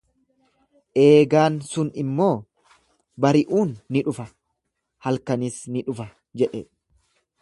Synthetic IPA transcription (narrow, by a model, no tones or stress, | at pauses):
ʔe̞ːɡaːnsʊnɪmːo̞ː | bɐɾɪʔuːnːɪᶑʊfɐ | hɐlkɐnɪsnɪᶑʊfɐ | d͡ʒɛᶑɛ